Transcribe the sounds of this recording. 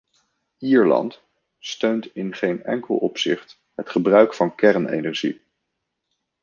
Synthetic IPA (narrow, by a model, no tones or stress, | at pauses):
iːɹlɑ̰nt | støɥntɪnχejnɛ̰ŋkəl̩ˠɔpsɪχt | ɦətχəbrœɥkfɑnkɛrnḛjnɛɹʒḭ